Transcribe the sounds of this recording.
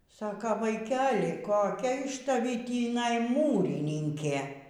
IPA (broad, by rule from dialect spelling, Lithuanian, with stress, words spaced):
ˈsɑːkɐ ʋɐɪkʲɛlʲɪ koːˈkʲɛ ɪʃ tɐˈʋʲiː tʲiːˈnɐɪ ˈmuːrʲɪnʲɪŋʲkʲeː